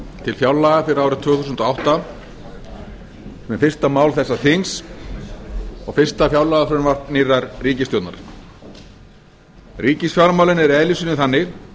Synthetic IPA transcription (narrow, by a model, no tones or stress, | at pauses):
t̪ʰɪlfjawlːaːɣafɪɾɪɾawɾʏt̪ʰvʏːθusnt̪ɔawht̪a | mɛfɪrst̪amaːwlθɛsːaθiŋs | ɔɣfɪr̥st̪afjawlaɣaθœɾʏnvar̥t̪niːraɾriːcɪst̪ɔwt̪naɾ | riːcɪsfjawɾmawlɪnɛɾɛlisinɪθanːɪɣ